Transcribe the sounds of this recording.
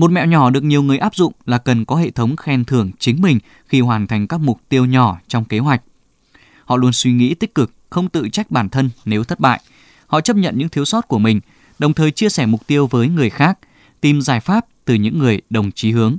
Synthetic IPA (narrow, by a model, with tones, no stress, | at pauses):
mo˨˩t̚mɛ̰˧˨wɲɔ˧˩ɗɨ˨˩ək̚ɲi˨˩əwŋɨ˨˩əjʔaː˦˥p̚zʊ̰˧˨ŋ͡mlaː˨˩kə˨˩nkɔ˨˦ɦḛ˧˨t̪ʰə˨˦wŋ͡mxɛ˧˩nt̪ʰɨ˧˩əŋt͡ɕï˨˦ŋmï˨˩ŋ̟ | xi˧ɦwaː˨˩nt̪ʰa˨˩jŋ̟kaː˦˥k̚mʊ˨˩k͡p̚t̪i˧əwɲɔ˧˩t͡ɕɔ˧wŋ͡mke˨˦ɦwa˨˩jk̟̚ | hɔ̰˧˨lu˧ənswi˧ŋḭ˧˥t̪ï˦˥k̟̚kɨ˨˩k̚xə˧wŋ͡mt̪ɨ̰˧˨t͡ɕa˦˥jk̟̚ɓaː˧˩nt̪ʰə˧nːe˨˦wt̪ʰə˦˥t̚ɓa̰ː˧˨j | hɔ̰˧˨t͡ɕə˦˥p̚ɲə̰˧˨nɲɨ̰˧˥ŋt̪ʰi˨˦wsɔ˦˥t̚ku˧˩əmï˨˩ŋ̟ | ɗə˨˩wŋ͡mt̪ʰəː˨˩jt͡ɕi˧əsɛː˧˩mʊ˨˩k͡p̚t̪i˧əwvəː˨˦jŋɨ˨˩əjxaː˦˥k̚ | t̪i˨˩mzaː˧˩jfaː˦˥p̚t̪ɨ˨˩ɲɨ̰˧˥ŋːɨ˨˩əjɗə˨˩wŋ͡mt͡ɕi˨˦ɦɨ˨˦əŋ